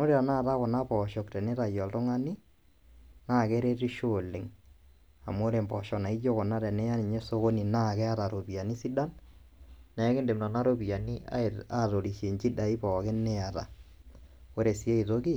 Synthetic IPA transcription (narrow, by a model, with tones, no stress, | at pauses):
no˦ɾe˦a˨na˦˨ta˦kʊ˨na˦pɔ˨ʃɔ˨ktɛ˨nɛ˦ta˨jɔ˨ltʊ˦ŋa˦ni˦ | na˦˨kɛ˦ɾe˦ɾi˦ʃo˦˨lɪ˨ŋ | a̰˨mo˦ɾe˨mbɔ˨ʃɔ˨na˨i˦d͡ʒo˦kʊ˨na˦ɾɛ˨nɛ˦ja˦ni˨ɲe˦so˦ko˦ni˨na˦˨kɛ˦a˦ta˨ɾo˨pi˨a˨ni˦si˦da˦n | nɛ˨˦kɪ˦nde˨mna˨na˦ɾo˦bi˨a˨ni˦a̰a˦˨to˨ɾi˨ʃe˨ɲt͡ʃi˦da˨i˦pɔ˨kɪ˦nɛ˦a˨ta̰˨ | o˦ɾe˨si˦e˦i˨to˦ki˦